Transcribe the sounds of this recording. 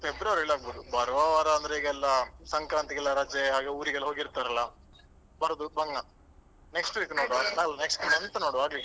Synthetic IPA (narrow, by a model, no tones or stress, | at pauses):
febɾɐʋɐɾiɭaːɡ̚boːd̪ubɐɾʋaʋaɾɐɐnd̪ɾeiːɡɛlːɐsɐŋkɾaːnt̪iɡɛlːɐɾaːt͡ʃeɦaːɡeːuːɾiɡɛlːɦo̞ːɡiɾt̪aːɾɐlːɐ | bɐɾɐd̪ubɐŋɡɐ | neksʈʋiːknoːɽanaɐlɐneksʈinɐnt̪ɐnoːɽaːɡli